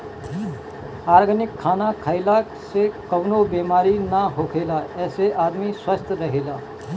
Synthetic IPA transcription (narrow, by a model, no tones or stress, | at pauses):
aɾɡʱənikʰːanakʰaɪlaksekəwnobemaɾinaɦokʰelaeseʔad̪miswəst̪ʰəɾəɦela